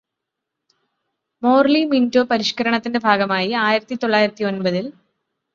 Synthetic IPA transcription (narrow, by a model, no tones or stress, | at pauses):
mo̞ːrlimindo̞ːpɐɾiʂkɐɾɐɳɐt̪ːinde̞bʱaːɡɐmaːjiaːjiɾɐt̪ːit̪o̞ɭːaːjiɾɐt̪ːio̞nbɐðil